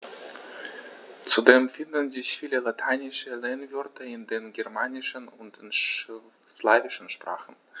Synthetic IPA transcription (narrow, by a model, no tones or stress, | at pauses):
t͡sudeːmfɪndn̩zɪçfiːləlatʰaɪnɪʃəlɛnvʏɐtʰəɪndeːnɡɛɐmaːnɪʃənʊntɪnʃ | slaːvɪʃn̩ʃpʁ̥a̰ːχn̩